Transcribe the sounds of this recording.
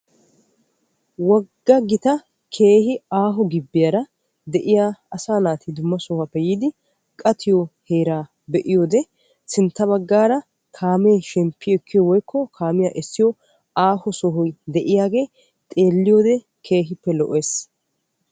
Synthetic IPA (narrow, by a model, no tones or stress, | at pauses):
wɐɡːɐɡɪt̪ɐ | kʰe̞ːhɪaːɦɔɡɪbːɪjɐɾɐ | d̪ɛʔɪjaːsaːnaːt̪ɪd̪ʊmːɐsɔhɐpːɛjiːd̪ɪ | kʼɐt̪ɪjɔhe̞ːɾaː | bɛʔɪjoːd̪ɛ | sɪnt̪ːɐβɐɡːaːɾɐ | kʰaːmeːʃɛmpːɪjɛkːɪjɔwɔjkːɔkʰaːmɪjaːʔɛsːɪjɔ | aːhɔsɔɦɔjd̪ɛʔɪjaːɡe̞ː | t̪ʼe̞ːlːɪjoːd̪ɛ | kʰe̞ːɦɪpːɛlɔʔe̞ːs